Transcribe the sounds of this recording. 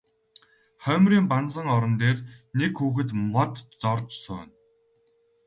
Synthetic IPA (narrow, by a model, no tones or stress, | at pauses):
χœːmriːmpant͡sə̆ŋɔɾɞ̆nt̪eːrnekxuːxɘ̆t̪mɔt̪t͡sɔrt͡ɕsʊ̰ːn